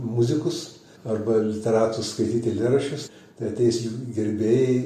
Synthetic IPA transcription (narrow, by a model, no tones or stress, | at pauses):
mʊzʲɪkʊs | ɐrbɐlʲɪt̪ʲɛɾɑːt̪ʊsskɐɪt̪ʲiːt̪ʲɪlʲɪɾɐʃʲʊs | t̪ɐɪɐt̪ʲɛɪsʲjuɡʲɪɾʲbʲeːjɛ